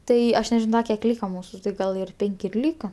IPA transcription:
ˈtɐɪ ˈɐʃ nʲɛˈʒʲɪnoː ˈdɐ kʲiɛk ˈlʲiːkɐ ˈmuːsʊ tɐɪ ˈɡɐlˠ ɪr ˈpʲɛŋʲkʲ ɪr ˈlʲiːkɐ

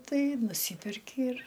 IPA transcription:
ˈtɐɪ nʊˈsʲiːpʲɛrʲkʲɪ ɪr

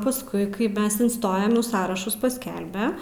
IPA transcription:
pɐsˈkʊɪ kɐɪ ˈmʲɛs ɪnˈstoːjoːm ˈnʊ ˈsɑːrɐʃʊs pɐsʲˈkʲɛlʲbʲɛ

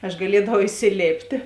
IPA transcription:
ɐʃ ɡɐˈlʲiɛdɐʋɐʊ ɪsʲɪˈlʲeːpʲtʲeː

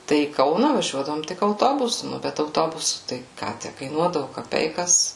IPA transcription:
ˈtɐɪ iː ˈkɐʊnɐ ʋɐˈʒʲuɔdɐʋoːm ˈtʲɪk ɐʊˈtoːbʊsʊ ˈnʊ bʲɛt ɐʊˈtoːbʊsʊ tɐɪ ˈkɑː ˈtʲæ kɐɪˈnuɔdɐʋʊ kɐˈpʲɛɪkɐs

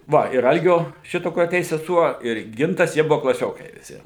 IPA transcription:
ˈʋɐ ɪr ˈɐlʲɡʲoː ˈʃʲɪtoː kʊr ɐˈtʲɛɪs sʲɛˈsuɔ ɪr ˈɡʲɪntɐs ˈjiɛ ˈbʊʋoː klˠɐˈsʲoːkɐɪ ʋʲɪˈsʲɪ

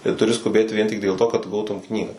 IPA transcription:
tɐɪ tʊˈrʲɪ skʊˈbʲeːt ʋʲiɛn tʲɪk dʲeːlˠ toː kɐt ˈɡɐʊtʊm ˈknʲiːɡɑː

